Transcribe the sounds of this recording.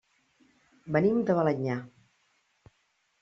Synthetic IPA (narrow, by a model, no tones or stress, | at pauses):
bənimd̪əβələɲa